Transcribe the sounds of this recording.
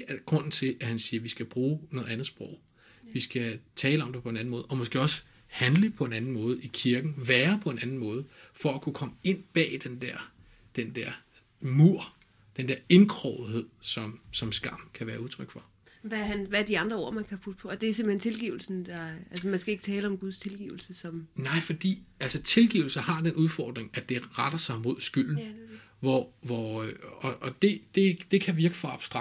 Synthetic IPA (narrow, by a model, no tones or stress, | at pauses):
ɡ̥ʁɔ̽n̰n̩t͡sʰe̝ʔæhænsiːɐʋisɡ̥æb̥ʁuːnɔ̽ːðˠænð̩ˠsb̥ʁɔʊ̰ | ʋisɡ̥æt͡sʰɛːləɒ̽md̥epʰɒ̽enæn̩mɔ̽ːð̩ˠɒ̽mɒsɡ̥e̝̰ːɒ̽s | hænləpʰɒ̽e̝nænn̩mɔ̽ːð̞̩ˠikʰiɐɡ̥n̩ʋæːɐpʰɒ̽e̝nænn̩mɔ̽ːð̞̩ˠfɒ̽ækʰukʰɒ̽məe̝n̰b̥ɛ̰ːd̥end̥æɐ̰ | d̥end̥æɐ̰ | muɐ̰ | d̥end̥eɐe̝nkʰʁɒʊð̩ˠɦe̝ð̞̰ˠsɒ̽msɒ̽msɡ̥ɑ̈m̰kʰæʋæːɐuðˠt͡sʰʁœɡ̥fʁɑ̈ | ʋæhænʋæɐd̥iɑ̈nd̥ʁɐo̝ɐ̰mænkʰæpʰud̥̚pʰɒ̽ːd̥e̝æɐse̝mb̥̩hent͡sʰe̝lɡ̥ḭːʊl̩sn̩d̥ɑælsəmænsɡ̥æe̝ɡ̥t͡sʰɛːləɒ̽mɡ̥uð̞ˠst͡sʰe̝lɡ̥ḭʊl̩səsɒ̽mnɑ̈ɪ̰fɒ̽d̥ḭːælsət͡sʰe̝lɡ̥ḭːʊl̩sɐhɑ̈d̥enʔuð̞ˠfɒːd̥ʁeŋæd̥e̝ʁad̥ɐsɑ̈ɪmo̝ð̞̰ˠsɡ̥yl̰n̩ | ʋɒʋɒɒ̽ʔɒ̽d̥e̝d̥e̝d̥e̝kʰæʋiɐɡ̥əfɒɑ̈b̥sd̥ʁ